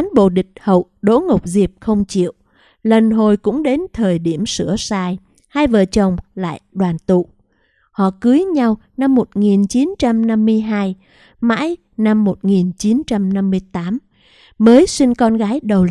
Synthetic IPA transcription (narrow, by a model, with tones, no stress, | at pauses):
a˨˦nɓo̰˧˨ɗï˨˩k̟̚hə̰˧˨wɗo̰˧˥ŋə˨˩wk͡p̚zi˨˩əp̚xə˧wŋ͡mt͡ɕḭ˧˨əw | lə˨˩nɦo˨˩jkʊ̰˧˥ŋ͡mɗe˨˦nt̪ʰəː˨˩jɗi˧˩əmsɨ̰˧˩əsaː˧j | ha˧jvəː˨˩t͡ɕə˨˩wŋ͡mla̰ː˧˨jɗwaː˨˩nt̪ṵ˧˨ | hɔ̰˧˨kɨ˨˦jɲa˧wna˧mːo˨˩t̚ŋi˨˩nt͡ɕi˨˦nt͡ɕa˧mna˧mːɨ˧əjɦaː˧j | ma̰ː˧˥j | na˧mːo˨˩t̚ŋi˨˩nt͡ɕi˨˦nt͡ɕa˧mna˧mːɨ˧əjt̪aː˨˦m | məː˨˦jsi˧ŋkɔ˧nɣaː˨˦jɗə˨˩w